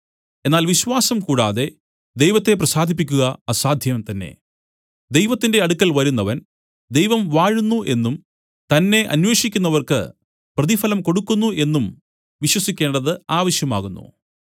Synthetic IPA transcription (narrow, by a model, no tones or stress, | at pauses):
e̞nːaːlʋiɕʋaːsɐmkuːɽaːðe̞ | d̪e̞jʋɐt̪ːe̞prɐsaːd̪ʱipːikʲːuɣɐasaːd̪ʱjɐmt̪ɐnːe̞̰ | d̪ejʋɐt̪ːinde̞ɐɽukːɐlʋɐɾunːɐʋɐn | d̪ejʋɐmʋaːɻunːuʔe̞nːum | t̪ɐnːe̞ʔɐ̰nwe̞ːʂikʲːunːɐʋɐrkɨ̰ | prɐðifɐlɐmko̞ɽukːunːuʔe̞nːum | ʋiɕwɐsikʲːe̞ːɳɖɐðɨaːʋɐɕjɐma̰ːɣunːṵ